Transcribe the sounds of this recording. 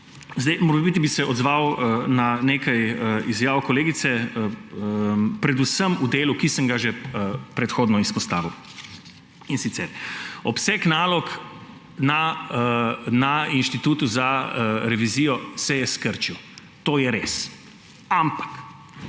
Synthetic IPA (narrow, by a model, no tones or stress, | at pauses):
zd̪ɛjmoːɾbit̪ibisɛʔɔd̪zʋawnaneːkajəizjaːwkɔleːɡit̪sɛ | pɾɛd̪usəmud̪eːlukisəŋɡaʒɛpɾɛt̪xoːd̪nɔispɔst̪aːʋiw | insit̪sɛɾɔpsɛknaːlɔk | na | nainʃt̪it̪uːt̪uzaɾɛʋizijɔsɛjɛskəɾt͡ʃiw | t̪oːjɛɾes | ampḁk